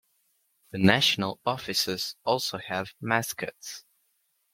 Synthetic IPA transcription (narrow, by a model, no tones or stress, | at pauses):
ðənaʃənəlˠɒfɪsəz̥ɔˑlˠsoʊəvmaskə̰ts